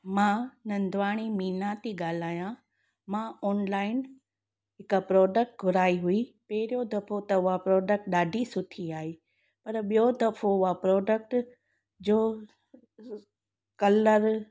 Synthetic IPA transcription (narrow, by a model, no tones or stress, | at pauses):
mãnɐ̃nd̪ʱʋaːɽ̃imiːnat̪iɠaːl̤aːjã | mãɔːnlaːɪn | ɦɪkpɾɔːɖək̚ʈ̚ɡʱʊɾaːiɦʊipɐɦɪɾjod̪ɐfʰot̪ɐʊɦapɾɔːɖək̚ʈɗaːɖʱisʊt̪ʰiaːɦeː | pɐɾɓijod̪ɐfʰoʊɦapɾɔːɖək̚ʈ | d͡ʑoː | kɐləɾ